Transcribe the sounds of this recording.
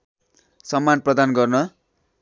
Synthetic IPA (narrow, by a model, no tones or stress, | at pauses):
sʌmːanprʌd̪anɡʌrnʌ